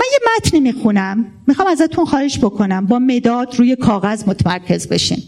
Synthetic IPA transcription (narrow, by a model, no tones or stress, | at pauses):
mænjemæt̪ʰnimiːxunæmː | ixɒːmæzæt̪ʰunxɒːheʃbo̞kʰo̞næmbɒːme̞d̪ɒːd̪̥ɾuːje̞kʰɒːɣæzmot̪ʰemæɾcʰe̞zbe̞̰ʃḭːm